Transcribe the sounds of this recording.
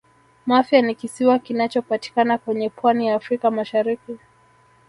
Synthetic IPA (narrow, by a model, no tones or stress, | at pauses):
mafjanikisiwakinat͡ʃɔpati̥kanakwɛɲɛpwanijaːfɾikamaʃaɾiki